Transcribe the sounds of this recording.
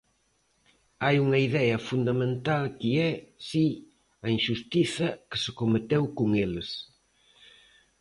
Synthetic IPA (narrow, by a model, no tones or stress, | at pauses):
ajuŋɐiðɛɐfund̪ɐmẽnt̪alkiɛsi | ɐinʃust̪iθɐkɪ̥sɪkomet̪ewkoŋelɪs